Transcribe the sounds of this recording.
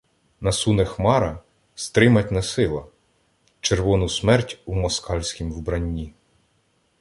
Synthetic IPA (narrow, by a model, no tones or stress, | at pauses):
nɐsunɛxmɑɾɐ | st̪ɾɪmɐtʲnɐsɪlˠɐ | t͡ʃeɾʋɔnʊsmɛrtʲumɔskɑlʲsʲkʲimwbɾɐnʲːi